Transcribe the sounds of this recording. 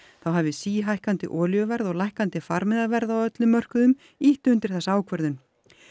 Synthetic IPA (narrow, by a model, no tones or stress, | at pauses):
θawɦavɪsiːɦajhkant̪ɪ̰ʔɔːljœvɛɾðɔɣlajhkant̪ɪfaɾmɪðavɛɾðawœt̪lʏmːœr̥kʏðʏm | iht̪ʏnt̪ɪɾ̥θɛsaaːwkʰvœɾðʏn